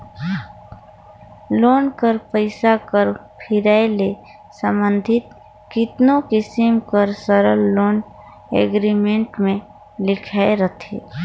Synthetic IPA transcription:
loːnkəɾpəɪsakəɾpʰɪɾaele | sə̃mbə̃nd̪ʱɪt̪̚ | kɪt̪nokɪsɪmkəɾsəɾəlːoːn | ḛːɡɾimẽɳʈmẽ | lɪkʰaeɾət̪ʰḛː

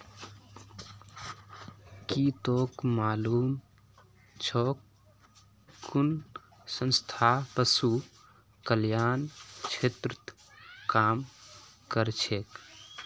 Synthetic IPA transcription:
kiːt̪oːkmaːluːm | t͡ʃʰoːk | kʰːun | sə̃nst̪ʰaːpəsu | kəljaːnt͡ʃʰet̪ɾɪt̪ | kaːmkəɾt͡ʃʰeːk

